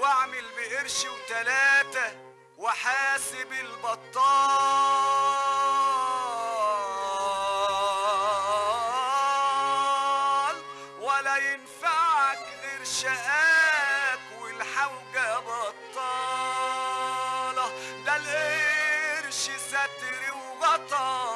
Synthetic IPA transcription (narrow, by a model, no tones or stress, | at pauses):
waʕmɪlbɪʔɪɾʃɪwt̪alaːt̪a | wɪħaːsɪbɪlbɑt̪ˤːɑː | l | walæjɪnfaʕaklɪɾʃaʔa | kwɪlħawɡabɑt̪ˤːɑː | lɑd̪ælʔe | ɾʃɪsat̪ɾɪwbɑt̪ˤɑ